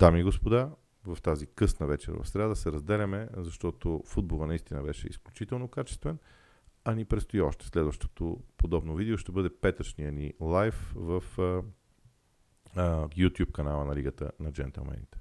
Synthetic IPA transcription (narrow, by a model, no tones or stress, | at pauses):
d̪amiɡospod̪a | vɐft̪azikɤsnəvɛt͡ʃɛ̰ɾvɐ̰fsɾʲɛad̪əsɛɾɐzd̪ɛlʲɐmɛzɐʃt̪ɔt̪ofud̪̚bolˠənɐist̪inəbɛʃɛ̰ḭsklʲut͡ʃit̪ɛlˠnokat͡ʃɛ̥st̪vɛn | ɐnipɾɛt̪st̪oiɔʃt̪ɛ̥slɛd̪vəʃt̪o̥t̪opod̪ɔbnovid̪ɛoʃt̪ɛbɤd̪ɛpɛt̪ət͡ʃniənilˠajfvəf | jut̪ʲjupkɐnalˠənɐliɡət̪ə̰nɐd͡ʒɛ̰nt̪ɛ̰lˠmɛ̰nḭt̪ɛ̥